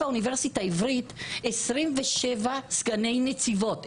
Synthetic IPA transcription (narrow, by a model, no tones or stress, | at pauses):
auniveʁsitaivʁit̪esʁimveʃevasɡane̞jnet͡sivo̞t